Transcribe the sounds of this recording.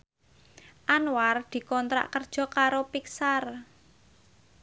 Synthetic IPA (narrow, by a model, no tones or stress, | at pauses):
ʔanward̪̥i̤kɔnt̪ɾa̰ʔkərd̥ʒ̥ɔ̤kaɾopiksar